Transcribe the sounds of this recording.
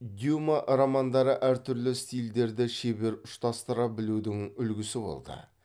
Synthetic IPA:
d̪ʲjumaʔɾomɑnd̪ɑɾəʔæɾt̪ʰʏɾlɪst̪ijld̪e̞ɾd̪ɪʃebe̞ɾʊʃt̪ɑst̪əɾɑbɪlud̪ɪŋʏlɡʲɪsɪbo̞̰lˠd̪ə̰

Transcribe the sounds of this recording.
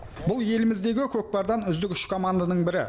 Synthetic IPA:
bʊlˠje̞lɪmɪzd̪e̞ɡʲɪkʲʰɵk̚pɑɾd̪ɑnʏzd̪ɪkʲʏʃkʰo̞mand̪anəɴbɪɾɪ̰

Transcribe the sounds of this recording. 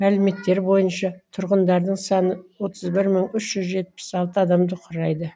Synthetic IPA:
mælɪme̞t̪ːe̞ɾbo̞jənʃɑt̪ʰʊɾʁənd̪ɑɾd̪əɴsɑnəwo̞t̪ʰəzbɪɾməɴʏʃʒ̥ʏzʒe̞t̪̚pɪ̥sɑlˠt̪əɑd̪ɑmd̪əqʰʊɾɑjd̪ə

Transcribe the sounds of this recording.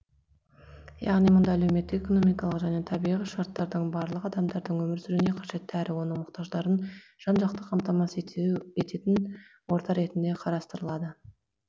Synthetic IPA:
jɑ̰ʁnijmʊnd̪ɑæle̞wme̞t̪ːɪkeko̞nomijkɑlˠəqʒæne̞t̪ʰɑbijʁiʃɑɾt̪ːɑɾd̪əɴbɑɾlˠəqɑd̪ɑmd̪ɑɾd̪əɴwɵmɪɾsʏɾɪne̞qʰɑʒe̞t̪ːɪæɾʔɪwo̞nəɴmʊqt̪ɑʒd̪ɑɾənʒ̥ɑnʒɑq̚t̪əqʰɑmt̪ɑmɑse̞t̪e̞t̪ɪn | wo̞ɾt̪ɑɾe̞t̪ɪnd̪e̞qʰɑɾɑst̪əɾəlˠɑd̪ə

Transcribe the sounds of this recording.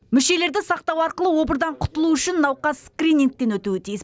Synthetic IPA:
mʏʃe̞le̞ɾd̪ɪsɑq̚t̪ɑwɑɾqəlˠəwo̞bəɾd̪ɑɴqʰʊt̪əlˠuʏʃɪnːɑwqɑsːkrʲinʲiŋk̚t̪e̞nwɵt̪uɪt̪ʰijɪs

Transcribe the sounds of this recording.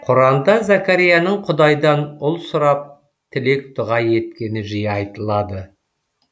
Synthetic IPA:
qʰʊɾɑnd̪ɑzakaɾijanəɴqʰʊd̪ɑjd̪ɑnʊlˠsʊɾɑp̚ | t̪ʰɪle̞k̚t̪ʊʁɑje̞t̪kʲe̞nɪʒijɑjt̪əlˠɑd̪ə

